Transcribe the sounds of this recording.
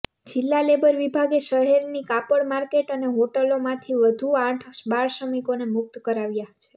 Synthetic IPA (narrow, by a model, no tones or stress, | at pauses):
d͡ʒɪlːalebəɾʋibʱaɡeʃəɦeɾnikapəɭmaɾkeʈəneɦoʈəlomãt̪ʰiʋəd̪ʱuãʈʰbaɾʃəmikonemʊk̚t̪kəɾaʋjat͡ʃʰe̥